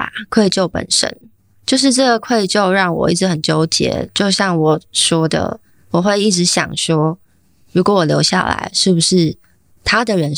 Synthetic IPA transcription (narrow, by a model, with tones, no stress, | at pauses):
a̰˨˩kʰwe˥˧˩ɪt͡ɕjo˥˩ʊpə̰˨˩nʂə̰˦˥n | t͡ɕjo˥˧ʊʂ̬ɻ̩˥˧ʈ͡ʂɤ˥˩ɡə˩kʰwe˥˧ɪt͡ɕjo˥˧ʊɻɑ˥˩ŋwɔ̰˨˩ḭ˥˩ʈ͡ʂ̩˧˥xə˨˩nt͡ɕjo˥ʊt͡ɕjɛ̰˧˥t͡ɕjo˥˧ʊɕjɑ˥˩ŋwɔ˨˩ʂwɔ˥d̪ə̰˩ | wɔ˨˩xwe˥˧ɪi˥˩ʈ͡ʂɻ̩˧˦ɕjɑ̰˨˩ŋʂwɔ˥ | ɻu˧˥kwɔ˧˥wɔ˨˩ljo˧˥ʊɕja̰˥˩la̰˧˥ɪʂɻ̩˥˩bu˩ʂɻ̩˥˩ | t̪ʰa˥d̪ə˨ɻə˧˦n